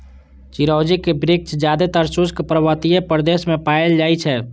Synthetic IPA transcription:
t͡ʃiɾɔwd͡ʒikebɾik̚t͡ʃd͡ʒjad̪et̪əɾsuskpɾəbət̪ijepɾd̪eːsmẽpaːeld͡ʒaːjt͡ʃʰɛ

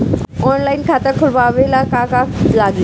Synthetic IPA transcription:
ɔnlainkʰat̪əkʰulbaʋelakakalaɡi

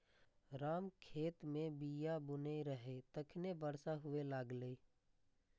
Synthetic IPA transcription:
ɾaːmkʰeːt̪mẽbijabʊnəiɾəɦet̪əkʰnebəɾsaɦʊʋelaːɡlei

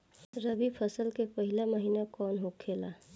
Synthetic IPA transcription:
ɾəbipʰəsəlkepəɦɪlaməɦiːnakɔːnɦokʰeːlaː

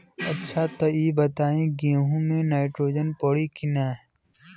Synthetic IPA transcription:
ɐtːʃʰat̪ɐiːbɐt̪aːẽɡẽːɦũmẽnaːɪʈɾoːd͡ʒənpɐɽikɪnaː

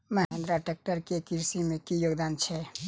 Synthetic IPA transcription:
məɦẽnd̪ɾaʈek̚ʈəɾkekiɾsimẽkijoɡd̪aːnt͡ʃʰɛ

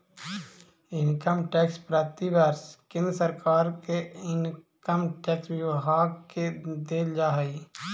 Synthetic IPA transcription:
ɪnkəmʈɛːkspɾaːt̪ibəɾskẽnd̪ɾəsəɾkʰaːɾkeɪn | kəmʈɛːkswɪwɦaːɡked̪eːld͡ʒaːɦəi

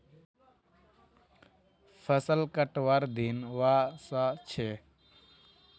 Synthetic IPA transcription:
pʰəsəlkəʈʋaɾd̪inʋasat͡ʃʰe

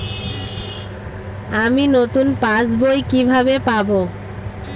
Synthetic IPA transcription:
aminot̪unpasbojkibʱabepabo

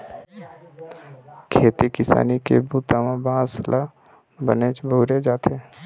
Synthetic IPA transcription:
kʰeːt̪ikɪsa̰ːnikḛbuːt̪aʋãbãːslʔa | bə̰neːt͡ʃboʊɾed͡ʒaːt̪ʰeː

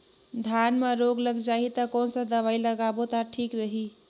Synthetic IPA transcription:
d̪ʱjanmeɾoɡləɡd͡ʒaɦit̪əkɔnsə̃d̪əβailəɡabot̪aʈʰikɾəɦi

